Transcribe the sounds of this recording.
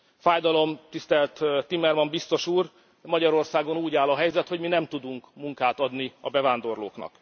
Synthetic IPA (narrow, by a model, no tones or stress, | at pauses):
faːjd̪ɒlo̞mt̪ist̪ɛlt̪ːimɛrmɒmbist̪o̞ʃuːr | mɒɟɒɾo̞rsaːɡo̞nuːɟaːlɒɦɛjzɛt̪ho̞ɟminɛmt̪ud̪uŋkmuŋkaːt̪ɒd̪niɒbɛvaːnd̪o̞rlo̰ːknɒ̰k